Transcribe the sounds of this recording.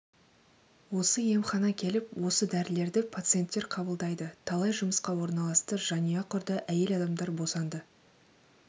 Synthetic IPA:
wo̞səje̞mχɑnɑkʲʰe̞lɪpwo̞səd̪æɾɪle̞ɾd̪ɪpʰat̪sɨje̞nt̪ːe̞ɾqʰɑbəlˠd̪ɑjd̪ət̪ʰɑlˠɑjʒʊməsqɑwo̞ɾnɑlˠɑst̪əʒ̥ɑnijɑqʰʊɾd̪əʔæje̞lɑd̪ɑmd̪ɑɾbo̞sɑnd̪ə

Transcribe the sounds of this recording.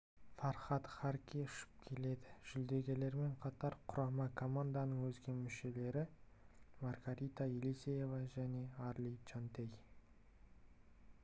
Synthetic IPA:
fɑɾχɑt̪χɑɾkʲiʏʃɪ̥p̚kʲʰe̞le̞d̪ɪʒ̥ʏld̪e̞ɡʲe̞le̞ɾme̞ɴqʰɑt̪ɑɾqʰʊɾɑmɑkʰo̞mand̪anəɴwɵzɡʲe̞mʏʃe̞le̞ɾɪ | marɡaɾit̪ɑilisʲeje̞vɑʒæne̞ɑɾlʲit͡ʃant̪ej

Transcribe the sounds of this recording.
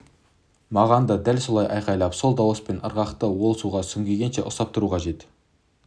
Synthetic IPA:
mɑʁɑnd̪ɑd̪ælso̞lˠɑjʔɑjqɑjlˠɑpso̞lˠd̪ɑwəspe̞nʔə̰ɾʁɑqt̪əwolˠəsuʁɑsʏŋɡʲe̞ɡʲenʃḛʔʊsɑp̚t̪ʰʊɾuqʰɑʒe̞t̪

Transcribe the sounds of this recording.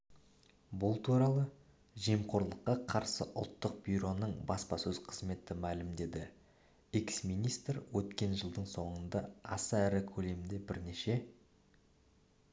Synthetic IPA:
bʊlˠt̪ʰuɾɑlˠə | ʒimqʰo̞ɾlˠəqːɑqʰɑɾsə̰ʔʊ̰lˠt̪ːəq̚b̥ʲiɾo̞nəɴbɑspɑsɵz̥qʰəzme̞t̪ɪmælɪmd̪e̞d̪ɪ | eksmijnijst̪rwɵt̪kʲe̞nʒəlˠd̪əɴso̞ɴənd̪ɑɑ̰sɑæɾɪkʲʰɵle̞md̪e̞bɪɾne̞ʃe̞

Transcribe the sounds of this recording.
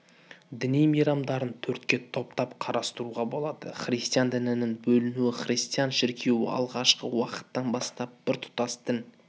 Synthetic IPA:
d̪ɪnijmijɾɑmd̪ɑɾənt̪ʰɵɾt̪kʲe̞t̪ʰo̞pt̪ɑpqʰɑɾʔɑst̪əɾuʁɑbo̞lˠɑd̪ə̰χrist̪ijand̪ɪnɪnɪŋbɵlɪnuɪχrʲijst̪ijanʃɪɾkʲʰe̞wɪ̰ɑ̰lˠʁɑʃqəwɑqə̥t̪ːɑnbɑst̪ɑp̚b̥ɪɾt̪ʰʊ̥t̪ɑsd̪ɪn

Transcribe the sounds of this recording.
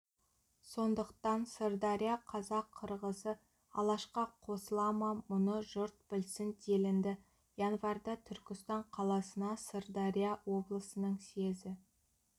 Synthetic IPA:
so̞nd̪əqt̪ɑnsəɾd̪ɑɾʲijaqʰɑzɑqʰːəɾʁəsə | ɑlˠɑʃqɑqʰo̞səlˠɑmɑmʊnəʒʊɾt̪̚bɪlsɪnd̪ʰelɪnd̪ɪ | jɑnvɑrd̪ɑt̪ʰʏɾkʲɪst̪ɑɴqʰɑlˠɑsənɑsərd̪ɑɾijawo̞blˠəsənəɴse̞zɪ

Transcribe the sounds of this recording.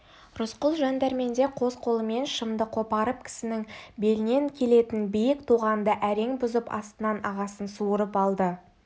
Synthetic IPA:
ɾʊsqʊlˠʒɑnd̪ɑɾme̞nd̪e̞qʰo̞zqʰo̞lˠəme̞nʃəmd̪əqʰo̞pɑɾəp̚kʲʰɪ̥sɪnɪŋbe̞lɪne̞ŋkʲʰe̞le̞t̪ɪnbijɪkt̪ʰuʁɑnd̪əʔæɾe̞ŋbʊzəpɑ̰st̪ənɑnɑʁɑsənsuəɾəpɑlˠd̪ə

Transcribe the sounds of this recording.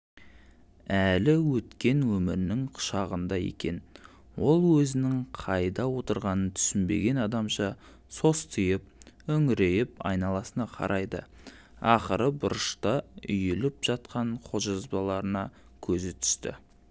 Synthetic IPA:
ælɪwɵt̪kʲe̞nwɵmɪɾɪnɪŋqʰʊ̥ʃɑʁənd̪ɑjḛkʲe̞n | wo̞lˠwɵzɪnɪŋqʰɑjd̪ɑwo̞t̪əɾʁɑnənt̪ʰʏ̥sɪnbe̞̰ɡʲe̞nɑd̪ɑmʃɑ | so̞st̪ʰəjəp̚ɵŋɪɾe̞jɪpɑ̰jnɑlˠɑsənɑqʰɑ̰ɾʔɑjd̪ə̰ | ɑχəɾəbʊɾəʃt̪ɑʏjɪlɪpʒ̥ɑt̪̚qɑɴqʰoʒɑzbɑlˠɑɾənɑ | kʲʰɵzɪt̪ʰʏ̥st̪ɪ̰

